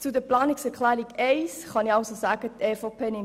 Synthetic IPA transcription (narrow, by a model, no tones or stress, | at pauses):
t͡sudəplɑːnɪksɛɾkʰlæːɾiɡeɪsχɑnɪɑʊsosæːɡ̥ətʰeːfopʰeːnɪn